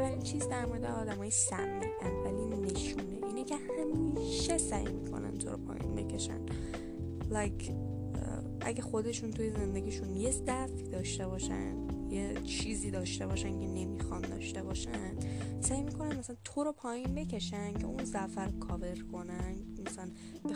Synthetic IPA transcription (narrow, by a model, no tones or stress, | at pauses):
ævæɾint͡ʃʰiːzd̪æɾmo̞ɾed̪eɒːd̪æmɒːjesæmiʔænd̪væline̞ʃuːnḛʔiːnecʰe̞hæmiːʃe̞sæjmḭkʰo̞̰næ̰nt̪ʰo̞ɾo̰pʰɒ̰ːjḭnbe̞̰cʰe̞ʃæ̰n | læjkʰ | ʔæ̰ɟæxo̞d̪e̞ʃunt̪ʰuje̞ze̞nd̪eɡiːʃunje̞zæfiːd̪ɒːʃt̪e̞bɒːʃæ̰nd̪je | t͡ʃʰiːziːd̪ɒːʃt̪e̞bɒːʃæncʰe̞ne̞miːxɒnd̪ɒ̰ʃt̪e̞bɒːʃænd̪̥sæːjmiːkʰo̞nænmæsælænt̪ʰoɾopʰɒːjinbe̞cʰe̞ʃæncʰe̞̰ʔunzæfæɾkʰɒːve̞ɾkʰo̞nænd̪mæsææn | b